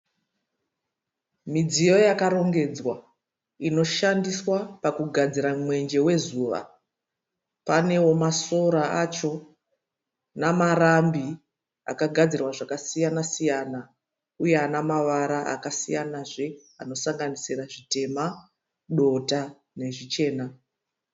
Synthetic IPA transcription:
mid͡zijo̞jakaɾo̞ŋɡe̞d͡zwa | ino̞ʃandiswapakuɡʱad͡ziɾamwe̞nd͡ʒe̞we̞zuːʋa̰ | pane̞wo̞maso̞ɾaat͡ʃo̞ | namarambi | a̰kaɡʱad͡zirwaʐakasijanasijana | uje̞anamaʋaɾaa̰kasijanaʐe̞ano̞saŋɡanisiraʐite̞ma | ɗo̞ta | ne̞ʐit͡ʃe̞ːna

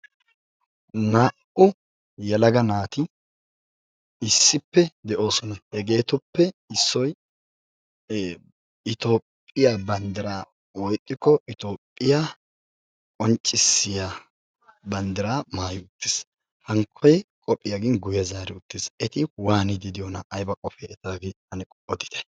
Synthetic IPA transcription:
naːʔʊ | jɛlɐɡɐnaːt̪ɪ | ɪsːɪpːɛd̪ɛʔo̞ːsɔnɐhɛɡe̞ːt̪ʊpːɛɪsːɔj | ɪt̪o̞ːpʼːɪjabɐnd̪ɪɾaː | wɔjt̪ʼːɪkːɔɪt̪o̞ːpʼːɪja | kʼɔnt͡ʃʼːɪsːɪja | bɐnd̪ɪɾaːmaːjʊʊt̪ːɪs | hɐŋkʰːɔjkʼɔpʼːɪjaɡɪnɡʊjɐzaːɾɪʊt̪ːɪsɛt̪ɪwaːnɪd̪ɪd̪ɪjɔnɐ̰ʔɐjbɐkʼɔfɛɛt̪aːɡɪhɐnɛkʼɔɔd̪ɪ̥t̪ʰɛ̥

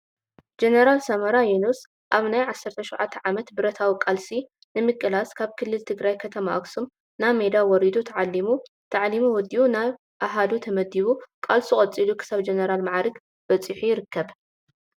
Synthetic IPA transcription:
d͡ʒenɐɾalsɐmɐɾajunus | ʔaβnajʕasːɐɾt̪ʰɐʃɔʕat̪ʰːɐʕamɐt̪bɨɾɐt̪ʰawikʼalsi | nɨmɨkʼːɨlaskʰaβkʰɨlːɨlt̪ʰɨɡɾajkʰɐt̪ʰɐmaʔɐksum | named̪awɔɾid̪ut̪ʰɐʕalːimu | t̪ʰaʕlimuwɔd̪iunaj | ʔaɦad̪ut̪ʰɐmɐd̪iβukʼalsuχʼɐt͡sʼilukʰɨ̥saβd͡ʒenɐɾalmaʕaɾɨɡ | b̥ɐt͡sʼiħujɪɾɨkːɐβ

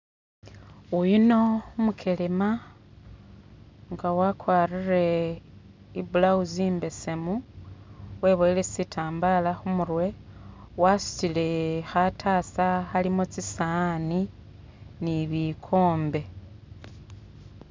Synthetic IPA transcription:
ujino̞umukʰelema | ŋɡawakwaːrire̞ | ibulauziːmbe̞semu | we̞βoelesitʰaːmbalaxumurwe̞ | wasu̥t͡sile̞xatʰasaxalimot͡sisani | niβikʰo̞ːmbe̞

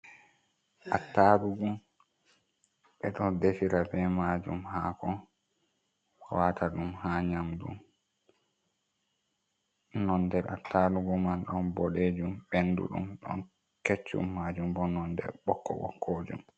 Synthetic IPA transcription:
ʔatːaɗuɡum | ɓɛɗɔndefiɾabɛmaːd͡ʒṵmhaːkɔ | watʰaɗumhaɲamdṵm | nɔndɛɾa̰tʰːaɗuɡumanɗɔnbɔɗed͡ʒumbendṵɗṵmɗɔ̰n | ket͡ʃːṵmːad͡ʒumbɔnɔndɛ̰ɾɓɔkːɔ̰ɓɔ̰kʰod͡ʒṵm

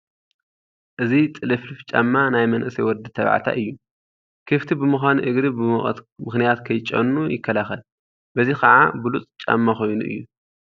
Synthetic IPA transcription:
ʔɨzit̪ʼɨlɨflɨft͡ʃʼa̰mːanajmɐnʔɨsɐjwɔd̪ɨt̪ʰɐβʕa̰t̪ʰa̰ʔɨjːu | kʰɨft̪ʰibɨmɨxʷaniʔɨɡɾibɨmɨmɨxnijat̪kʰɐjt͡ʃʼːɐ̰nːujɪkʰːɐlaxɐl | bɐzikɐʕa̰bulut͡sʼt͡ʃʼa̰mːaxo̞jnuʔɨ̰jːu

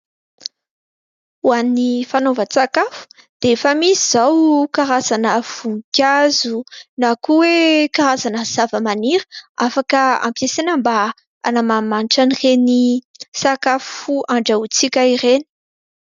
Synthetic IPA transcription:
uanifanovət͡sakafu̥ | d̪̥eefəmiziz̥awkaɾazanəv̥uŋkʲazunakuwekaɾazanəz̥avəmaniɾə̥afakəa̰mpjesenəmba | a̰namamanʈ͡ʂanirenisakafuaɳɖ͡ʐaut͡sikʲaiɾeni̥

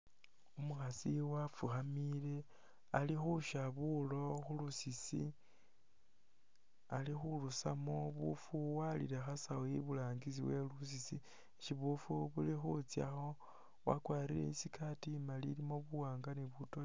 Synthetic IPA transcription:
umuxasiwafuxamile̞ | alixuʃaβulo̞xulusisḭ | alixulusamoβṵfuwaliɾexasawoḭβulaːŋɡit͡sḭwe̞lus̬isi | ʃiβufuβulixut͡sja̰xo̞ | wa̰kwaːɾilḛisikʰatimalilimo̞βuwaːŋɡaniβutol

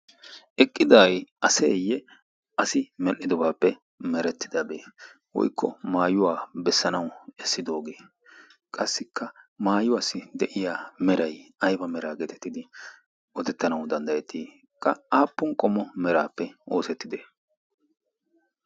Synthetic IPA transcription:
ʔɛkʼːɪd̪ajʔɐseːjːɛ | ɐsɪmɛlʔɪd̪ɔbaːpːɛ | mɛɾɛt̪ːɪd̪ɐbeː | wɔ̰jkʰːɔ̰maːjʊwaːbɛsːɐnɐwɛsːɪd̪o̞ːɡeː | kʼɐsːɪkʰːɐmaːjʊwasɪd̪ɛʔɪjaːmɛɾɐjɐjbɐmɛɾaːɡɛt̪ʰɛ̥t̪ːɪd̪ɪ | ɔt̪ɛt̪ːɐnɐwd̪ɐnd̪ɐjɛt̪ʰi | kʼːɐaːpːʊnkʼɔmːɔmɛɾaːpːɛo̞ːsɛt̪ːɪd̪eː

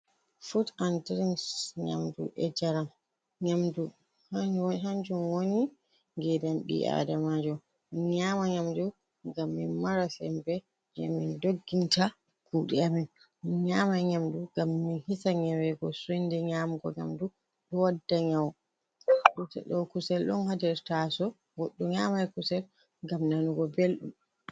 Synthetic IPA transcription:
futantɾinsɲa̰mdṵʔɛd͡ʒaɾam | ɲamdu | ɦaɲd͡ʒumwoni | ŋɡɛdamɗḭʔa̰damad͡ʒɔ | minɲaːmaɲamdu | ŋɡamːinmaɾasɛ̰mbɛ | d͡ʒɛ̰mindoɡːinta | kuɗiamɛn | inɲaːmaɲamduɡamːinhisaɲɛwɛɡɔsundɛɲaːmɡɔ̰ɲa̰mdu | ɗɔwadːaɲaw | ɗutɛ̰ɗɔkusɛlɗɔ̰nhadɛɾtasɔ | ɡɔɗːɔɲaːmajkusɛl | ɡamnanuɡɔbelɗum

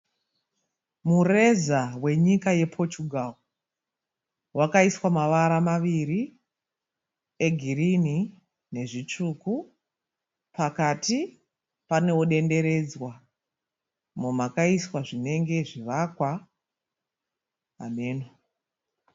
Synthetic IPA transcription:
mure̞zawe̞ɲikaje̞pʰo̞t͡ʃuɡʱao | wakaiswamaʋaɾamaʋiɾi | e̞ɡʱirini | ne̞ʐit͡ʂuku | pakati | pane̞oɗe̞nde̞ɾe̞d͡zwa | momakaiswaʐine̞ŋɡe̞ʐiʋakwa | meːno

